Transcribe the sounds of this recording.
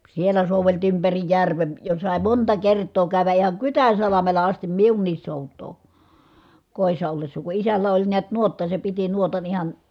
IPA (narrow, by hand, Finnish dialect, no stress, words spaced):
sielˑæ soˑuʋeltiː ympæri jærʋen jo sɑˑi̯ montɑ kertˑoː kæˑy̞ʋæ ʔihɑŋ kytæn̞sɑlɑmelɑ ɑstim miunːiːs soˑutˑoː koˑi̯sːɑ olːesːɑ ku isælːæ olʲ niæt nuotːɑ se piti nuotɑn ihɑn